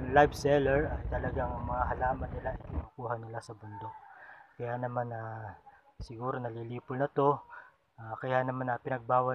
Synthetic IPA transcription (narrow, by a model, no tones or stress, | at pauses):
ŋlajvsɛlɛɹɐjt̪ɐlɐɡaŋmɐŋaɦɐlaːmɐnːɪlaʔɐɪjkɪnuːkuːɦɐnɪlasɐbʊnd̪o̞k̚kɐjanɐmanɐ | sɪɡuːɾo̞nɐliliːpʊlnɐt̪o̞ | ʔaːkɐjaʔnɐmanɐpɪnɐɡ̚baːwɐ